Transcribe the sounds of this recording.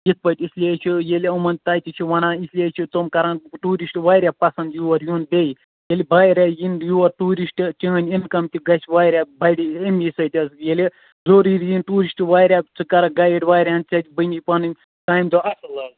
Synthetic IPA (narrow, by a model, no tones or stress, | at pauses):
jit̪̚ʰpɐʈʲisʲlʲiet͡ʃʰijelʲiɐmɐnʲt̪aːjt̪it͡ʃʰiʋɐnãːisʲlʲiet͡ʃʰit̪omkɐɾãːnʈuːɾisʈʋaːjɾʲjaːpɐsɐnd̪juwɐɾjunbej | jelʲibaːjɾʲajinjuwɐɾʈuːɾisʈt͡ʃʲiɐnʲinkɐmt̪ʲiɡɐsʲʋaːɾʲabɐɽʲiimʲjisɐt̪ʲɐsjelʲi | zoːɾiɾjinʈuːɾisʈʋaːjɾʲat͡sɨkɐɾɐɡɐjeɖʲʋaːjɾʲaːnt͡ʃɐt̪ʲibənʲipɐnɨ | taːjmd̪oɐsɐlɐ